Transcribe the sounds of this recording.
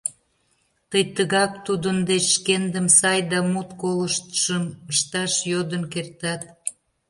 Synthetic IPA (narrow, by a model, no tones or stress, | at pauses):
t̪əjt̪əɣɑk̚t̪ud̪ənd̪et͡ɕʃkend̪əmsɑjd̪ɑmut̪koləʃt̪ə̥ʃəməʃt̪ɑʃjod̪ənkert̪ɑt̪̚